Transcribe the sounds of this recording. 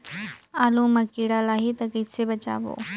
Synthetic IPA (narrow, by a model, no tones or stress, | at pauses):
aːlũmɐkiːɽalaːɦit̪ɐkisebɐt͡ɕa̰ːʋo̰ː